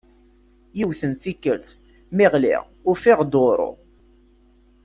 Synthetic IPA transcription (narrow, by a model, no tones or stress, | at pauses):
jiwθənθikːəlθ | mɪʁlḭʁ | ʊfɪʁd̪oɾˤo̰